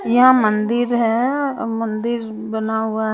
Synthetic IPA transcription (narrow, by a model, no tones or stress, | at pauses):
jɐɦãmɐ̃nd̪ɪɾɦɛmɐ̃nd̪ɪɾ | bɐnaɦuaɦ